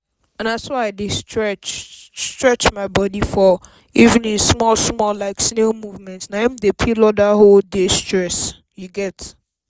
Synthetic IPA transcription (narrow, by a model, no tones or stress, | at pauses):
ãnasɔaɪdɪstɹɛt͡ʃstɹɛt͡ʃmaɪbɔdifɔ | ivɪ̃nĩnsmɔlsmɔllaɪksnemuvmɛ̃ntnaɛ̃mdepʰilɔdaholdestɹɛs | juɡɛt